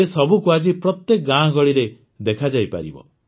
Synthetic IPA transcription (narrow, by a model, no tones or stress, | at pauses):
esɔbʱukuad͡ʒipɾɔt̪jekɔɡãɡɔɭiɾe | d̪ekʰad͡ʒajpa̰ɾḭbɔ̰